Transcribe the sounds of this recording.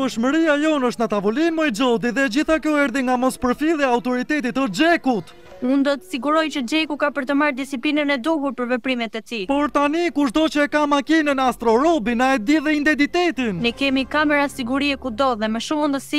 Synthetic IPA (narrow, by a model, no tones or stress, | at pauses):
əʃməɾiajɔnəʃt̪nat̪avɔlimɛɛd͡ʒɔd̪iðɛd͡ʑiθakjɔɛɾðiŋɡamɔspəɾfilˠɛawt̪ɔɾit̪ɛt̪̬it̪əd͡ʒɛkut̪ | und̪ɔt̪ə̥siɡuɾɔjt͡ɕəd͡ʒɛkukapəɾt̪əmaɾd̪isiplinənɛd̪ɔɦuɾpəɾvɛpɾimɛt̪ɛt̪ipɔɾt̪anikuʒd̪ɔt͡ɕəɛkamakinənast̪ɾɔɾɔbinaɛd̪iðɛint̪ɛnt̪it̪ɛt̪innɛkɛmikamɛɾasiɡuɾiɛkud̪ɔðɛmɛʃumund̪əsi